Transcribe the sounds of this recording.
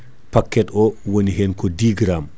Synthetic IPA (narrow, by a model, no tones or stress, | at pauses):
pakːɛtɔwoniɦɛnkɔdiːɡɾam